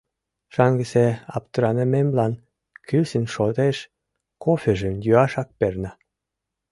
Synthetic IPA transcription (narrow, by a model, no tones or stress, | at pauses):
ʃɑŋɡə̆seɑ̰pt̪ə̆ɾɑnə̆memlɑn | kysənʃot̪eʃ | kofʲeʒəmjyɑʃɑk̚pernɑ